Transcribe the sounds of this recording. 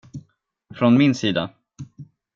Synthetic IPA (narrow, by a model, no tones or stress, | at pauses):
fɾɔnmɪnsiːd̪a̰